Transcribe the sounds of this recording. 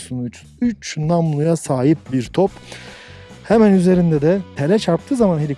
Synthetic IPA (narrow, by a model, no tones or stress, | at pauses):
sumuyt͡ʃʰy̥nyt͡ʃnamlˠujasaːɦip̚biɾt̪ʰop | hɛmænyze̞ɾind̪ɛd̪ɛt̪ʰelʲɛt͡ʃʰaɾp̚t̪ʰɯːzamanɦeɾʲi